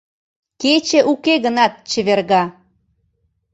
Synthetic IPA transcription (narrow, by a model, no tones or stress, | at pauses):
ket͡ɕĕʔukeɣənɑt̪̚t͡ɕə̆βerɣɑ